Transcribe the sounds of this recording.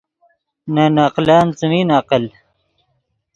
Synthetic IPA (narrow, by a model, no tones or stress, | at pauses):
nanaːqlaːnt͡səmiːnaːqəl